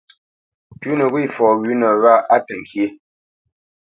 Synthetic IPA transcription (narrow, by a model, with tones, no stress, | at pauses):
pʉ˦nə˨ɣwi˦˨fɔː˨ɣʉ˨˦nə˨ɣa˦˨ʔa˦tə˨ŋkje˦